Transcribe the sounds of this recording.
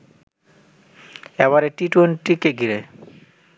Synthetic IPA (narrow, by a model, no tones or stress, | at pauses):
ɛβaɾeʈiʈwenʈikeɡiɾe